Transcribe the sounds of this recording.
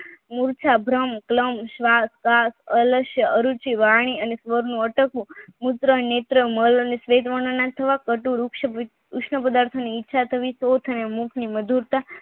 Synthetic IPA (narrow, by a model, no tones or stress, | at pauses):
muɾt͡ʃʰabʱɾəmkləmʃʋaskasələʃjəʔəɾut͡ʃiʋaɳ̃iənesʋəɾnũəʈəkũmut̪ɾənet̪ɾəmələnesʋet̪ʋəɳənat̪ʰəʋakəʈuɾukʃ | ukʂɳəpəd̪aɾt̪ʰoniːtːʃʰat̪ʰəʋisot̪ʰənemũkʰniməd̪ʱuɾt̪a